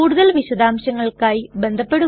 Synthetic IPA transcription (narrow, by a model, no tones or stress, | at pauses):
uːɽɯðɐlʋiɕɐðaːmɕɐŋɡɐɭkaːjbend̪ʱɐpːeɽɯ